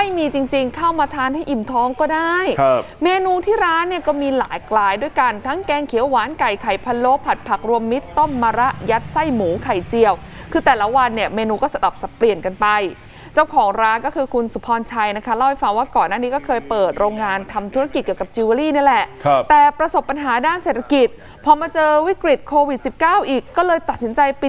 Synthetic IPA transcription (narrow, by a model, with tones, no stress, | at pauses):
ma˥˩jmiː˧t͡ɕi˧ŋt͡ɕi˧ŋkʰa˥˩wmaː˧t̪ʰaː˧nha˥˩jʔi˨˩mt̪ʰɔː˦˥ŋkɔː˥˩daː˥˩j | meː˧nuː˧t̪ʰiː˥˩ɾaː˦˥nːi˥˩ɐkɔː˥˩miː˧laː˩˦jklaː˧jdu˥˩əjka˧nt̪ʰa˦˥ŋkɛː˧ŋkʰi˨˩˦əwːaː˨˩˦nka˨˩jkʰa˨˩jpʰa˧nlo˦˥pʰːa˨˩t̪̚pʰa˨˩k̚ɾu˧əmːi˦˥t̪ːo˥˩mːaː˧ɾa˦˥ʔja˦˥t̪̚sa˥˩jmuː˩˦kʰa˨˩jt͡ɕi˧˩əw | kʰɯː˧t̪ɛː˨˩la˦˥wa˧nːi˥˩əmeː˧nuː˧kɔː˥˩sa˧da˨˩p̚sa˨˩pli˨˩ənka˧npa˧j | t͡ɕa˥˩wkʰɔː˩˦ŋɾaː˦˥nkɔ˥˩kʰɯː˧kʰu˧nsu˨˦pʰɔː˧nt͡ɕʰa˧jna˦˥kʰa˦˥la˧˥˩wha˧˦jfa˧ŋwaː˥˩kɔː˨˩nːaː˥˩niː˦˥kɔː˥˩kʰɤː˧jpɤː˨˩t̪̚ɾoː˧ŋːaː˧nt̪ʰa˧mt̪ʰu˦˥ɾa˧ki˨˩t̪̚ki˨ə˩ka˨˩p̚t͡ɕu˧a˧liː˥˩ni˥˩lɛ˨˩ʔt̪ɛː˨˩pɾa˧so˨˩p̚ːa˧nɦaː˩˦daː˥˩nse˨˩t̪ʰa˧ki˨˩t̪̚ | pʰɔː˧maː˧t͡ɕɤː˧wi˦˥kɾi˨˩t̪̚kʰoː˧wi˨˩t̪̚si˨˩p̚kaː˥˩wʔiː˨˩kːɔː˥˩lɤː˧jt̪a˨˩t̪̚si˩˦nt͡ɕa˧jpi˨˩